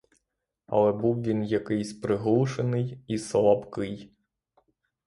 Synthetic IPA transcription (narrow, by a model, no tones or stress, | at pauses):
ɐ̰lˠɛbuwʋʲinjɐkɪjsʲpɾɪɦlˠuʃenɪjislˠɐpkɪj